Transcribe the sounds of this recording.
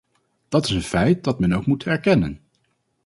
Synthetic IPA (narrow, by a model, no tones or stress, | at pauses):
d̥ɑtɪsənfɛjt̚dɑtmɛnowkmutɦɛɹkɛnə̰n